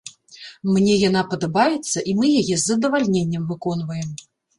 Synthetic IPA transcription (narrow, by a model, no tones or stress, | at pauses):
mnʲɛjan̪apɐd̪abajɛt̪sːɐʔimɨjajɛzːɐd̪ɐvalʲnʲenʲːɐmvɨkɔn̪vɐjɛm